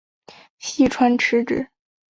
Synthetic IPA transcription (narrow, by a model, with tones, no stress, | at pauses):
ɕi˥˩ʈ͡ʂʰwa˥nʈ͡ʂʰɻ̩˧˥ʈ͡ʂɻ̩˨˩˦